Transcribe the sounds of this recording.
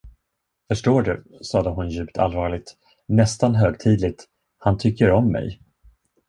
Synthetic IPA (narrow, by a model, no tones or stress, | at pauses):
fœʂʈoːɖɵ | sɑːd̪əɦʊnjʉ̟ːpt̪ʰa̰lvɑːɭɪɡ̚t̪ | nɛst̪anɦøːɡt̪ʰiːd̪lɪɡ̚t̪ | hant̪ʰʏkːəɾɔmːɛ̰j